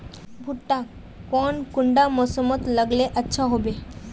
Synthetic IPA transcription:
bʱuʈːa | kɔnkuɳɖamɔsɔmɔt̪ləɡleʔətːʃʰaɦobe

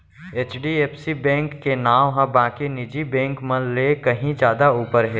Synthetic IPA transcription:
eːt͡ʃɖieːpsibɛ̃ːŋkːenaːwɦãbãːkinɪd͡ʒibɛ̃ːŋkmə̃lekəɦĩd͡ʒjaːd̪auːpəɾɦɛː

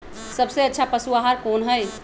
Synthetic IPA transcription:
səbseətːʃʰapəsuaɦaɾkoːnɦəj

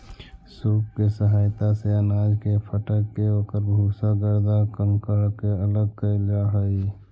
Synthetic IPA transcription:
suːkkesəɦaːjt̪aseənaːd͡ʒkepʰəʈəkːeoːkəɾbʱusaɡəɾd̪akəŋkəɾkeələɡ̚kəld͡ʒaɦəi

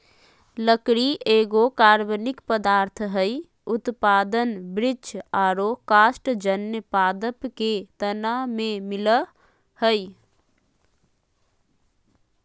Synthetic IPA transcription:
ləkɾiʔeːɡokaːɾbənɪkpəd̪aːɾt̪ʰɦəj | ʊt̪paːd̪ənbɾɪd͡ʒaɾokaːsʈd͡ʒənːjəpaːd̪əpket̪ənamẽmɪlə | həj

